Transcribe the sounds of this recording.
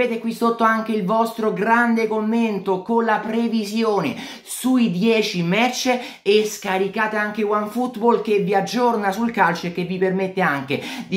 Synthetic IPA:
eːt̪ekwisot̪ːoaŋk̟eilvɔst̪ɾoɡɾand̪ekomːent̪okonlapɾevizjoːne | suid̪jɛːt͡ʃimɛrt͡ʃeː | skaɾikaːt̪eaŋkewaɱfut̪bolkevːiad͡ʒːornasulkalt͡ʃoekːevːipermet̪ːeaŋk̟ed̪i

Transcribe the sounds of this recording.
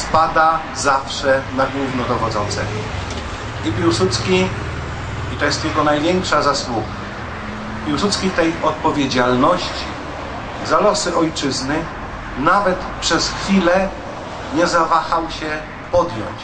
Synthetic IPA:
spad̪a | zafʂɛnaɡwuvnɔd̪ɔɣɔd̪zɔnt̪sɛ | ipʲiwsut̪skʲi | it̪ɔjɛst̪t̪ɪlkɔnajvʲjɛŋkʂazaswuɡa | pʲiwsut̪skʲift̪ɛjɔt̪̚pɔvʲjed͡ʑalnɔɕt͡ɕi | zalɔsɘʔɔjt͡ʂɘznɘ | navɛt̪pʂɛsxfʲilɛ | ɲɛzavaxawɕɛ | pɔd̪jɔ̰ɲt͡ɕ

